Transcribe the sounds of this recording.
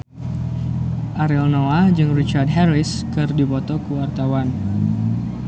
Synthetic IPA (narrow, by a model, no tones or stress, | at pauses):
ʔaɾɛlnoad͡ʒɨŋrit͡ʃardɦɛɾɪskɨrdipɔt̪ɔkuwart̪awan